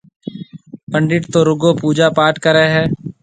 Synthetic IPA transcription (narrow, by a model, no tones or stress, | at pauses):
pə̃ɳɖɪʈt̪oːɾʊɡoːpuːd͡ʒaːpaːʈkəɾeɦɛː